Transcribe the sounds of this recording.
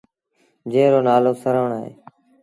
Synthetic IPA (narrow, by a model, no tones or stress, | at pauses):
d͡ʒẽːɾoːnaːloːsəɾəːɳaːɦḛː